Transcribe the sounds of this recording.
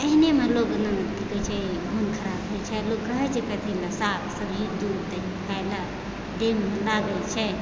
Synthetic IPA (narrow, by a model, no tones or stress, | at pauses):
əɦinemelokənənkikət͡ʃʰɛɡʱonkʰəɾabɦot͡ʃʰɛlokːəɦɛt͡ʃʰɛkət̪ʰɛlasat̪səbʱid̪uɾt̪əɦikʰajla | d̪emːelaɡɛlt͡ʃʰɛ